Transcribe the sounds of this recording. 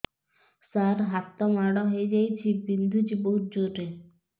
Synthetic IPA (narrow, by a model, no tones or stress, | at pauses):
saɾɦat̪ːɔmaɽɔɦoed͡ʒajt͡ɕʰibind̪ʱud͡ʒiboɦut̪̚d͡ʒoʈe